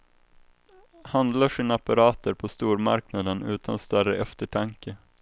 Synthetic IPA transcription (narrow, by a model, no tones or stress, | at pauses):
hand̪laʂinaapaɾɑːt̪əɾpʰɔst̪uːɾma̰ɾknad̪ənʉ̟ːt̪ʰanst̪œrəʔɛft̪əʈʰaŋkə